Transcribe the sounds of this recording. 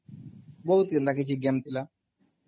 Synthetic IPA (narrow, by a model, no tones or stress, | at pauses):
bɔut̪ind̪akit͡ʃiɡɛmt̪ila